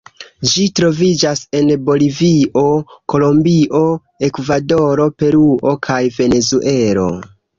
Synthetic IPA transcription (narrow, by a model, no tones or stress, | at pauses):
d͡ʒitɾo̞vid͡ʒase̞nbo̞liviʔo̞ko̞lo̞mbiʔo̞ | e̞kvado̞ɾo̞pe̞ɾuo̞kʰajve̞ne̞zuʔe̞ɾo̞̰